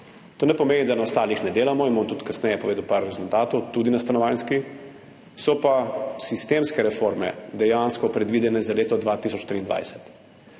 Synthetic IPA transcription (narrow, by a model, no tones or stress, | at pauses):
t̪oːnɛpɔmeːnid̪anaɔst̪aːlixnɛd̪eːlamɔimoːmt̪ut̪kasnɛjɛpɔʋeːd̪əwpaɾːɛzult̪aːt̪ɔwt̪uːd̪inast̪anɔʋanski | sɔpasist̪emskɛɾɛfoɾmɛ̰d̪ɛjanskɔpɾɛd̪ʋid̪ɛnɛzaleːt̪ɔd̪ʋat̪isɔt͡ʃt̪ɾiːnd̪ʋa̰jsɛ̥t̪